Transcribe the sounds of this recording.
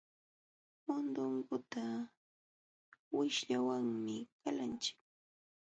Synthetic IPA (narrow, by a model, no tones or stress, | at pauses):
mʊnd̪ʊŋɡʊt̪a | wɪʃʎawaŋmɪkalant͡ʃɪ̥k̚